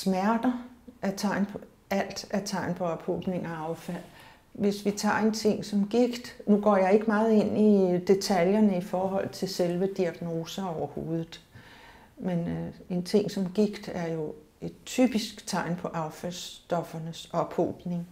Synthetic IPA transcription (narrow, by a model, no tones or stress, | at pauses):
smæɐd̥ɐæɐt͡sʰɑ̈ɪ̰npʰɒ | æl̰d̥æɐt͡sʰɑ̈ɪ̰npʰɒ̽ɒb̥ho̰ːb̥ne̝ŋæɑ̈ʊfæl̰ | ʋe̝sʋit͡sʰɑ̰̈ːe̝nt͡sʰe̝ŋ̰sɒ̽mɡ̥iɡ̥d̥nuɡ̥ɒ̰ːjɑ̈ɪe̝ɡ̥əmɑ̈ːð̞̩ˠe̝n̰id̥e̝t͡sʰæljɐnəifɒːɦɒ̽l̰ð̩ˠt͡sʰe̝lselʋəd̥iæɡ̥no̝ːsɐɒʊɐho̝ːð̞ˠð̩ˠ | mene̝nt͡sʰe̝ŋ̰sɒ̽mɡ̥iɡ̥d̥æɐjo̝ | e̝d̥̚t͡sʰy̰b̥isɡ̥t͡sʰɑ̈ɪ̰npʰɒ̽ʔɑ̈ʊfælsd̥ɒ̽fɐnəsɒ̽b̥ho̰ːb̥ne̝ŋ